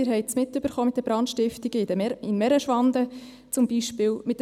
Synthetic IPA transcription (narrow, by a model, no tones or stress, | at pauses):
ɪːɾɦɛɪt͡smɪt̪ːøbəɾχoːmɪt̚d̪əbɾɑnt̪ʃtɪftiɡ̥əɪdəɪnmɛɾəʃʋɑnd̪ə | t͡sʊmbiʃpɪːwmɪt̚ː